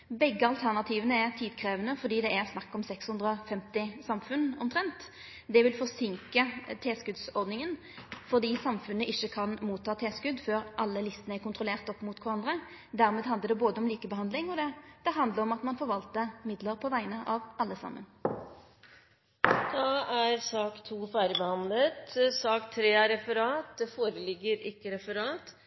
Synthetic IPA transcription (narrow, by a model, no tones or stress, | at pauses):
bɛɡːəɑlt̪ʰæʁnɑt̪ʰiːʋənəɛʁt̪ʰiːd̪kʰʁeːʋənəfɔd̪iːd̪ɛæʁsnɑkːɔmsɛkshʉnd̪ʁəɔfɛmt̪ɪsɑmfʉnɔmt̪ʰʁɛnt̪ | d̪ɛʋɪlfɔʁsɪŋkət̪ʰeːskʉd̪sɔʁd̪nɪŋən | fɔʁd̪iːsɑmfʉnːəʔɪçːəkʰɑnmuːt̪ʰːɑːt̪ʰeːskʉd̪føːɾʔɑlːəlɪst̪ənəæʁkʊnt̪ʁʊleːʁt̪ɔpːmʊt̪kʰʋʊʁɑnd̪ɾə | d̪æʁmeːd̪ɑnd̪əd̪ɛboːd̪əɔmliːkəbəɦɑnd̪lɪŋɔd̪ɛd̪̥ɛɦɑnd̪ləʁɔmɑt̪mɑnfɔʁʋɑlt̪əmɪd̪ləʁpʰɔʋæɪnəʔɑʋʔɑlːəsɑ̰mːə̰n | d̪̥ɑːæɾsɑːkt̪ʰuːfæːɾɪbəhɑnlət̪sɑːkt̪ʰɾeːæɾɛfəɾɑːt̪̚d̪ɛfoːɾəlɪɡːəɾɪkːəɾɛfəɾɑːt̪